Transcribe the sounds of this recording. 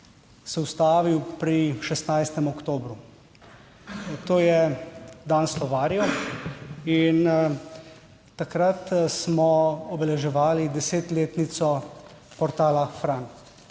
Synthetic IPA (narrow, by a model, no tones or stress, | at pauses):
sɛwst̪aːʋiwpɾiʃɛst̪najst̪ɛmɔkt̪oːbɾu | t̪oːjɛd̪aːnslɔʋaːɾjɔ | in | akɾat̪smɔɔbɛlɛʒɛʋaːlid̪ɛseːt̪leːt̪nit̪sɔ | pɔɾt̪aːlafɾan